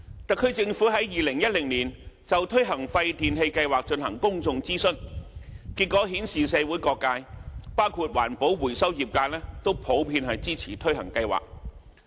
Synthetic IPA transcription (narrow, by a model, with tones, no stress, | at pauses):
t̪ɐ˨kʰɵ˨˧ɥt͡sɪ˧ŋfuː˨˥ɦɐ˨˥jjiː˨lɪ˨˩ŋjɐ˥t̚lɪ˨˩ŋniː˨˩nt͡sɐ˨wt̪ʰɵ˥ɥɦɐ˨˩ŋfɐ˧jt̪iː˨nɦe˧jkɐ˧jwaː˨k̚t͡ʃɵ˧nhɐ˨˩ŋkʊ˥ŋt͡sʊ˧ŋt͡siː˥sɵ˥n | ki˧t̚kːɔː˨˥ɦiː˨˥nsiː˨sɛː˨˧wu˨˥jkɔː˧kːaː˧jpaː˥wkʰuː˨t̚wa̰ː˨˩npo˨˥wwuː˨˩jsɐ˥wjiː˨˩p̚kaː˧lɛː˥t̪o˥wpʰo˨˥wpʰiː˧nhɐ˨jt͡siː˥t͡sʰiː˨˩t̪ʰɵ˥ɥɦɐ̰˨˩ŋkɐ˧jwa̰ː˨˩k̚